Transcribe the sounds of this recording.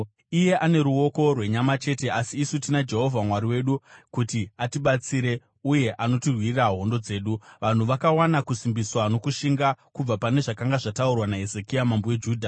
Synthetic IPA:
ije̞ʔane̞ɾuo̞ko̞rwe̞ɲamat͡ʃe̞te̞asiːsutinad͡ʒe̞ɦo̞vʱamwaɾiwe̞ɗukutiatiɓat͡siɾe̞ | uje̞ʔano̞tirwiriraɦo̞ndo̞d͡ze̞ːɗuʋan̤uʋakawanakusimbiswano̞kuʃiŋɡakub͡vapane̞ʐakaŋɡaʐataurwanaɦezekijamambowe̞d͡ʒuːdʱa

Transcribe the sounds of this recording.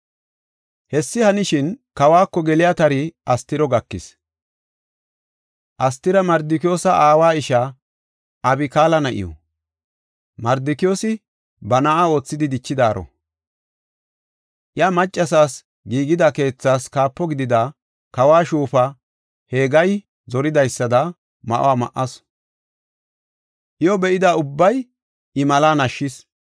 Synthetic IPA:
hɛsːɪhɐnɪʃɪnkɐwaːkːɔɡɛlɪjat̪ɐɾɪɐst̪ɪɾɔɡɐkːɪ̰s | ʔɐst̪ːɪɾɐmɐɾd̪ɪkɪjo̞ːsɐʔaːwaːɪʃɐ | ʔɐbɪkaːlɐnɐʔɪ̰jɔ̰ | mɐɾd̪ɪkɪjo̞ːsɪ | bɐnaʔao̞ːt͡sːɪd̪ɪd̪ɪt͡ʃːɪd̪aːɾɔ̰ | ʔjamɐt͡ʃʼːɐs̬aːs | ɡiːɡɪd̪ɐke̞ːt͡sːaːskaːpːɔɡɪd̪ɪd̪a | kɐwaːʃuːfɐ | he̞ːɡɐj | zɔɾɪd̪ɐjsːɐd̪ɐ | mɐ̰ʔo̰waːmɐ̰ʔɐs | ʔɪjɔbɛʔɪd̪ɐʊbːɐj | ʔɪmɐlaːnɐʃːɪs

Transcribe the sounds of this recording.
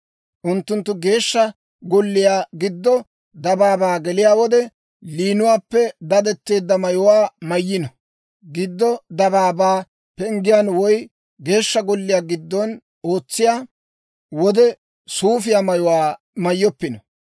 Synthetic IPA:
ʔʊnt̪ːʊnt̪ːʊɡe̞ːʃːɐ | ɡɔlːɪjaːɡɪd̪ːɔ | d̪ɐbaːbaːɡɛlɪjaːwɔd̪ɛ | liːnʊwaːpːɛd̪ɐd̪ɛt̪ːe̞ːd̪ːɐmɐjɔwaːmɐjːɪnɐ | ɡɪd̪ːɔd̪ɐbaːbaː | pɛŋɡɪjaːnwɔj | ɡe̞ːʃːɐɡɔlːɪjaːɡɪd̪ːɔn | oːt͡sːɪjaː | wɔd̪ɛ | suːfɪjaːmɐjɔwaː | mɐjːɔpːɪnɔ

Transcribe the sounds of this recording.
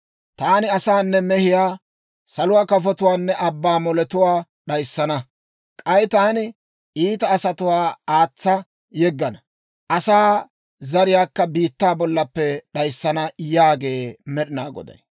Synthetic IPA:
t̪aːnɪɐsaːnːɛmɛhɪjaː | sɐlʊwaːkɐfɔt̪ʊwaːnːɛʔɐbːaːmɔlɛt̪ʊwaː | ɗɐjsːɐnɐ | kʼɐjt̪aːnɪ | ʔiːt̪ɐːsɐt̪ʊwaːaːt͡sːɐ | jɛɡːɐnɐ | ʔɐsaː | zɐɾɪjaːkːɐbiːt̪ːaːbɔlːɐpːɛɗɐjsːɐnɐjaːɡe̞ːmɛɗɪnaːɡɔ̰d̪ɐ̰j

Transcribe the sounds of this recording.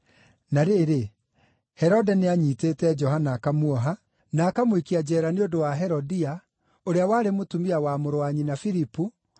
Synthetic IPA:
naɾeːɾe | hɛɾɔdɛneaɲiːteːtɛd͡ʒɔɦanakamuɔɦa | naːkamoikiad͡ʑɛːɾaneodowaɦɛɾɔdia | oɾeawaːɾemotumiawamoɾoaɲinafiɾipu

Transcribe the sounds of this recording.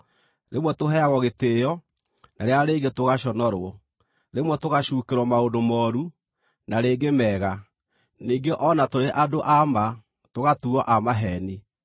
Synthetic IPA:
ɾemwɛtoɦɛaɣɔɣetejɔ | naɾeaɾeːɡetoɣaɕɔnɔɾwɔ | ɾemwɛtoɣaɕuːkeɾwɔmaodomɔːɾu | naɾeːɡemɛːɣa | niŋɡeʔɔnatoɾeʔadoʔama | toɣatuɔʔamaɦɛni

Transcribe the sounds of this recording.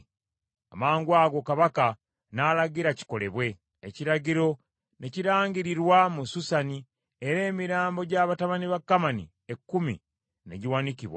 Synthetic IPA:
a̰maːŋɡwaːɡo̞kaβaka | nalaɡiɾaci̥ko̞le̞̰βwe̞ː | ciɾaɟiɾo̞ | ne̞ciɾaːŋɡiɾiɾwamususani | eɾe̞ːmiɾaːmbo̞ɟaβataβaniβakːamanḭ | ekːumḭ | ne̞̰ɟiwaniciβwa̰

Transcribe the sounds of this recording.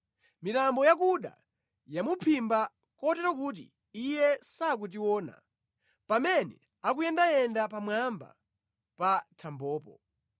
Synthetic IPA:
mitambɔjak̬uɗa̰ | jamupʰimba | kɔtɛɾɔkut̬ḭː | jɛsak̬ut̬iwɔːna̰ | pamɛnɛ̰ | akujɛndajɛndapamwamba̰ | patʰambɔːpɔ

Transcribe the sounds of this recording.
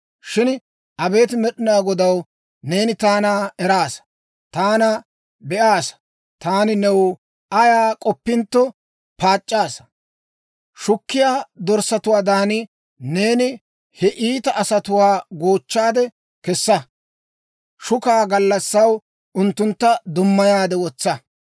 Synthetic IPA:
ʃɪn | ʔɐbe̞ːt̪mɛɗɪnaːɡɔd̪ɐw | ne̞ːnɪt̪aːnaɛɾaːs | t̪aːnɐ | bɛʔaːsɐ̥ | t̪aːnɪnɛw | ɐjaːkʼɔpːɪnt̪ːɔ | paːt͡ʃʼːaːsɐ | ʃʊkːɪjaːd̪ɔɾsɐt̪ʊwaːd̪aːnɪ | ne̞ːnɪ | hɛʔiːt̪ɐʔɐsɐt̪ʊwaːɡoːt͡ʃːaːd̪ɛ | kɛsːɐ | ʃʊkaːɡɐlːɐsːɐw | ʔʊnt̪ːʊnt̪ːɐd̪ʊmːɐjaːd̪ɛwɔt͡sːɐ

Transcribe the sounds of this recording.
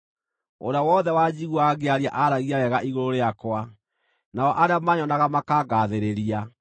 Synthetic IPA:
o̰ɾawɔðɛwad͡ʑiɣuaɣeaɾiaʔaɾaɣiaɾɛɣaʔiɣoɾoɾeakwa | naɔʔaɾeamaɲɔnaɣamakaɣaðeɾeɾia

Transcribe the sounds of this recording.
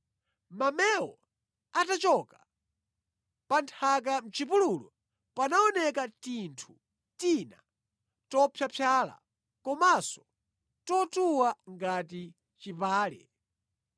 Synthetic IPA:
mamɛwɔ̰ | atat͡ʃɔka | pantʰak̬am̩t͡ʃipululɔ | panaɔnɛkatintʰu | tina̰ | tɔpʰjapʰjaːla̰ | kɔmasɔ̥ | tɔtuwaŋɡati | t͡ʃipaːlɛ̰

